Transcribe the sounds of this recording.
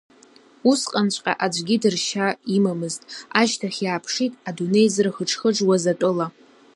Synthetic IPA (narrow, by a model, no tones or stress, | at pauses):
usqʼant͡ʃʷʼqʲʼa̰ʔad͡ʒʷʼɡʲidɨrʃaimamɨztʼaʒtʰaχʲjaːpʰʂitʼadune̞jzrχəʈ͡ʂʰχəʈ͡ʂwazatʼʊla